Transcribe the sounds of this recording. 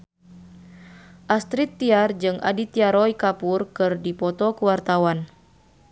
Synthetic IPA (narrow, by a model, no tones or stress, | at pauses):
ʔast̪ɾit̪ːiard͡ʒɨŋʔa̰dit̪iaɾɔikapurkɨrdipɔt̪ɔkuwart̪awan